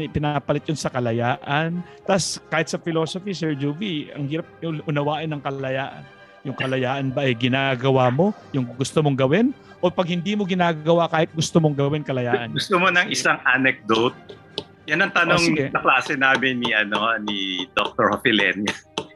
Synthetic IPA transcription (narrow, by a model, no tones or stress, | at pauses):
ɛpɪnapɐlɪt̪̚jonsɐkɐlɐjaːʔɐn | t̪ɐskaːhɪt̪̚sɐfɪloːsofisɛɹd͡ʒuviɐ̰ŋhiːɾɐp̚ʔʊnɐwaːʔɐnːɐŋkɐllɐjaːʔ | jʊŋkɐlɐjaːʔɐnbɐʔɐjɡɪnaːɡɐwamo̞ | jʊŋɡʊst̪omoŋɡɐwɪn | ʔopɐɡ̚hɪnd̪iːmo̞ɡɪnaːɡɡɐwakaːhɪt̪̚ɡʊst̪omoŋɡɐwɪnkɐlɐjaːʔɐnɡʊst̪omonɐŋʔɪsaŋʔanɛk̚d̪ot̪̚ | jɐnɐŋt̪ɐnoŋɡɛɐklaːsɛnaːmɪnːiʔɐnonid̪ok̚t̪oɹhofilɛ̰njɐ